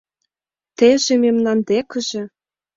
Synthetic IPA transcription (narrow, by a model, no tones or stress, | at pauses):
t̪eʒememnɑnd̪ekə̆ʒĕ